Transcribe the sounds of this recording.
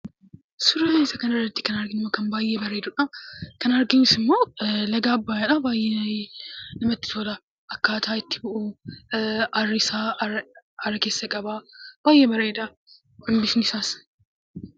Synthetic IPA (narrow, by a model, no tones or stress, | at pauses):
sʊɾɐmeːsɐkɐnɐrːɐt̪ːɪ̥kɐnɐɾɡɪnɪmːokɐnbaːjːɛbɐɾɐd̪ʊᶑɐkɐnɐɾɡɪnɪsɪmːo̞ːlɐɡaːɐbːaːjaᶑɐbaːjːɛ | nɐmɐt̪ːɪ̥t̪ʰoːlɐ | ʔɐkːaːt̪ʰaːɪt̪ːɪ̥bʊʔu | ɐrːɪsaː | ɐrːɐke̞ːsːɐkʼɐbab̥aːjːɛbɐɾɐᶑ̪ɐ | ʔʊmbɪsnɪsaːs